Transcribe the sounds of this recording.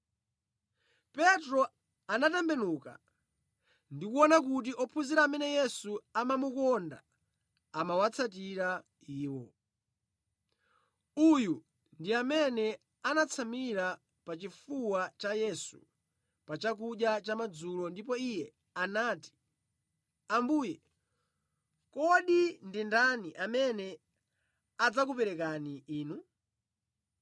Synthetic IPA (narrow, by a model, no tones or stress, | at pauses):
pɛtɾɔ | anatɛmbɛnuka̰ | ndikuɔnak̬ut̬iʔɔpʰuziɾaːmɛnɛjɛsuamamukɔnda̰ː | mawat͡sʰat̬iɾa | iːwɔ | uju | ndiamɛnɛ | anat͡sʰamiɾa | pat͡ʃifuwat͡ʃajɛsṵ | pat͡ʃak̬uɗjat͡ʃamad͡zulɔndip̬ɔijɛ | anaːti̥ | ambuːjɛ | kɔɗindindaniʔamɛnɛ | ad͡zakupɛɾɛkaniʔiːnu